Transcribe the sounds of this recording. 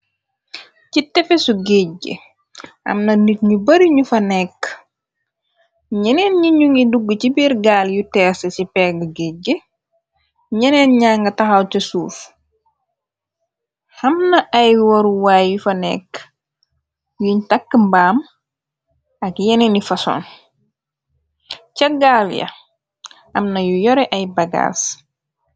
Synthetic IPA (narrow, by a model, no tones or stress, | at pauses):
citɛfesuɡeɟḛ | ʔɐ̰mnɐnit̚ɲubɐɾiɲufɐnɛkː | ɲɛnɛnɲiɲuŋɡiduɡːcibiɾɡaːljutɛːsəsipɛɡɡeɟə | ɲɛnɛːnɲaːŋɡɐtɐxɐwcɐsuːf | hɐmnɐʔɐjwɔɾuwaːjjufɐnɛ̰k | juɲtakːmbaːm | ɐkjɛnenifɐso̰ːn | cɐɡaːljɐ̰ | hɐmnɐjujɔɾɛʔɐjbɐɡa̰ːs